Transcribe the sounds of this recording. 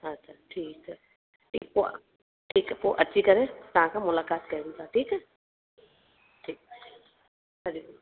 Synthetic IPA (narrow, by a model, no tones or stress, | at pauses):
ɐtːʃʰaʈʰiːksə | ʈʰḭːkpo̰ | ʈʰiːkpoʔɐtːʃʰikɐɾẽt̪ɐɦãkamʊlaːkaːt̪kɐũt̪aːʈʰiːkɦɛ | ʈʰiːk̚ | ɦɐɾik